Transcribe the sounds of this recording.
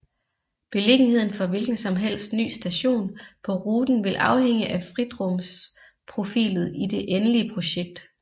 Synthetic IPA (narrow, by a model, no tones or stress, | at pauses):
b̥e̝le̝ɡ̥n̩he̝ð̰ˠn̩fɒ̽ʋe̝lɡ̥n̩sɒ̽mɦel̰sd̥ny̰ːsd̥æɕo̝̰ːnpʰɒ̽ʁuːd̥n̩ʋe̝lʔɑ̈ʊheŋ̰əʔæfʁid̥ʁɔms | pʰʁo̝fḭːlð̞̩ˠid̥e̝ʔenəliəpʰʁo̝ɕeɡ̥̚d̥